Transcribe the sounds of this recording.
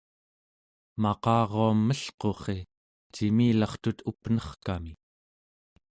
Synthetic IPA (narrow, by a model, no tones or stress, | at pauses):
mɑqɑːʁoamːəɬqo̞χe̞ | t͡ʃimiːlɑχt̪ut̪upnʌχkami